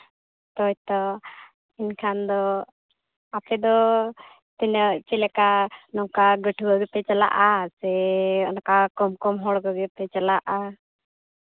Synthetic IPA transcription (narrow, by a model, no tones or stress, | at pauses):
t̪ɔc̚t̪ɔ | inkʰand̪ɔ | apɛd̪ɔ | t̪ɛnəʔt͡ʃɛlɛkanɔŋkaɡəʈʰuɡəɡəp̪ɛt͡ʃala̰ʔasɛɔnɔkakɔmkɔmɦɔɽɡəɡəpɛt͡ʃalaʔa